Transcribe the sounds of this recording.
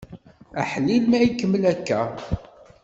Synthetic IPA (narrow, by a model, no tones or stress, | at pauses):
æħlilmæikːəmːəlækːæ